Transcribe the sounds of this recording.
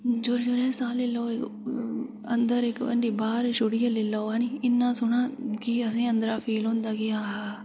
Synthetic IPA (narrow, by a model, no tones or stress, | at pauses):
d͡ʒoɾd͡ʒoɾɛ̃ːsaːlɪloːɪk | ə̰nd̪əɾɪkə̰ɳɖiːbaːɾʃoɽijəlɪlaoaniɪnːãːsʊɳãːkiəsĩːə̃nd̪əɾaːfʰiːlɦõːnd̪aːɡɪjaːɦaː